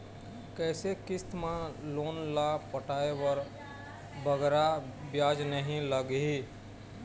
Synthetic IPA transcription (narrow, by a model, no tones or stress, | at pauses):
kɛːsekɪst̪mãloːnlapəʈaːewəɾ | bəɡɾabjaːd͡ʒnəɦĩləɡɦi